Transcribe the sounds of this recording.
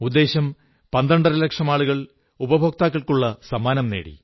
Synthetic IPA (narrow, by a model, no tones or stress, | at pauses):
ud̪ːe̞ːɕɐm | pɐnd̪ɐɳɖɐrɐlekʂɐmaːɭuɣɐɭ | ubɐbʱok̚t̪aːkːɐɭkuɭːɐsɐmaːnɐmnḛːɽḭ